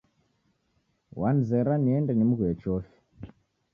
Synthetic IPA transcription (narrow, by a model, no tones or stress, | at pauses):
wʔanzɛɾaniɛndɛnimuɣwɛt͡ʃɔfi̥